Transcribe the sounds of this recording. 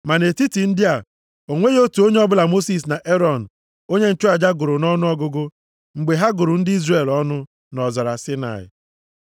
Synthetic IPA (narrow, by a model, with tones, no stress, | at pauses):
ma˨ne˨ti˦ti˨n̩˦dɪ˦a˨ | o˨ŋʷe˦jo˦tu˨o˦ɲe˦ɔ˦bʊ˦la˨mo˦si˨s̬na˨ʔe˦ɾɔ˨n̩˨ | o˦ɲe˦n̩˨t͡ʃʊ˦a˨d͡ʒa˦ɡʊ˨ɾʊ˨nɔ˦nʊ˦ɔ˦ɡʊ˦ɡʊ˦ | ŋ͡m̩˨ɡ͡be˨ɦa˦ɡʊ˨ɾʊ˨n̩˦dɪ˦i˦zre˨lɔ˦nʊ˦ | nɔ˨zɔ˨ɾa˨sɪ˦na̰˨ɪ̰˨